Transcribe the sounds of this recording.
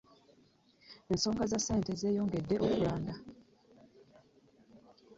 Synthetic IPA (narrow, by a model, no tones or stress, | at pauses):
e̞nso̞ːŋɡazasːe̞ːnte̞ze̞ːjo̞ːŋɡe̞dːeʔo̞kulaːŋɡa